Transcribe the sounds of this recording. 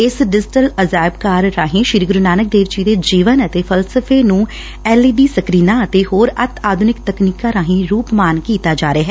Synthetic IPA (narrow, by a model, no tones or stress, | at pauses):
ɪsɖɪd͡ʒɪʈələzaːɪbkaːɾːaːɦĩːʃɪɾiɡɾʊnaːnək̚d̪eːʋd͡ʒiːd̪eːd͡ʒiːʋənət̪eːpʰəlsəpʰeːnũː | ɛːliːbiːsəkɾiːnãːət̪eːɦoːɾət̪ʰaːd̪ʱʊnɪk̚t̪əkniːkaːɾãːɦĩːɾuːpmaːnkiːt̪aːd͡ʒaːɾeaːɦɛː